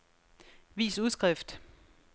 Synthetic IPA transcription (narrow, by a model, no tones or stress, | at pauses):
ʋḭːsuð̞ˠsɡ̥ʁɛfd̥